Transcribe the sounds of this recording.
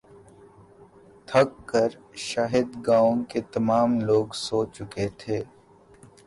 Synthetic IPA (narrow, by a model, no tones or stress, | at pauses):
t̪ʰɐkːəɾʃaːɦɪd̪ɡaːõket̪ɐmaːmloːɡsoːt͡ʃʊket̪ʰeː